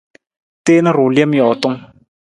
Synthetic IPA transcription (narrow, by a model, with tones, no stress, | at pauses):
teː˦nɨ˦ɾu˨le˦m˦jɔː˨tʊ˦ŋ